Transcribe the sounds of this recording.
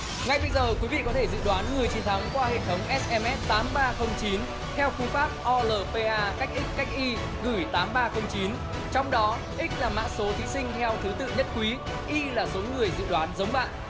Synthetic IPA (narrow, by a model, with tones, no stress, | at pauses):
ŋa˧˩jɓə˧jzəː˨˩kwi˨˦vḭ˧˨kɔ˨˦t̪ʰe˧˩zɨ̰˧˨ɗwaː˨˦nŋɨ˨˩əjt͡ɕi˨˦nt̪ʰa˨˦ŋkwaː˧hḛ˧˨t̪ʰə˨˦wŋ͡mʔɛ˦˥s̚ʔɛ˧mʔɛ˦˥t̚t̪aː˨˦mɓaː˧xə˧wŋ͡mt͡ɕi˨˦n | t̪ʰɛ˧wfu˧faː˦˥p̚ʔɔ˧ləː˨˩pe˧ʔaː˧ka˦˥k̟̚ʔï˦˥k̟̚kːa˦˥jk̚ʔi˧ | ɣɨ˧˩jt̪aː˨˦mɓaː˧xə˧wŋ͡mt͡ɕi˨˦n | t͡ɕɔ˧wŋ͡mɗɔ˨˦ | ʔï˦˥k̟̚laː˨˩ma̰ː˧˥so˨˦t̪ʰi˨˦sï˧ŋ̟t̪ʰɛ˧wt̪ʰɨ˨˦t̪ɨ̰˧˨ɲə˦˥t̚kwi˨˦ | ʔi˧laː˨˩so˨˦ŋɨ˨˩əjzɨ̰˧˨ɗwaː˨˦nzə˨˦wŋ͡mɓa̰ː˧˨n